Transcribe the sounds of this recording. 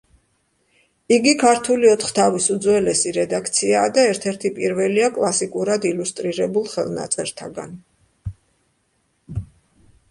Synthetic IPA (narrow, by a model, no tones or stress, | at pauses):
iɡikʰaɾt̪ʰuliɔt̪ʰχt̪ʰavisud̪zwɛlɛsiɾɛd̪akʰt̪sʰiaːd̪aɛɾt̪ʰɛɾt̪ʰipʼiɾvɛliakʼlˠasikʼuɾad̪ilust̪ʼɾiɾɛbulˠχɛ̰lˠna̰t̪sʼɛɾt̪ʰaɡa̰n